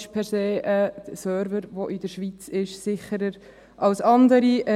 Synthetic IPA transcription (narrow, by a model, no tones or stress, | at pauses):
ʃpʰɛɾseːʔəsœːɾvəɾvoʔɪd̪əɾʃʋit͡sɪʃsɪχəɾəɾ | ʔɑlsɑnd̪əɾiə